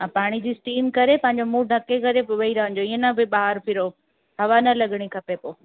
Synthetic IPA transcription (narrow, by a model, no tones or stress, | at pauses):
ãːpaːɽ̃id͡ʑiːsʈiːmkɐɾepɐ̃ɦɪ̃ɲ̆d͡ʑomũːɖʱɐkekɐɾepʋɐiɾɐɦə̃ɲ̆d͡ʑoɪːẽnɐbɪɓaːɦəɾpʰɪɾo | ɦɐʋanɐlɐɠɽ̃ikʰɐpepoː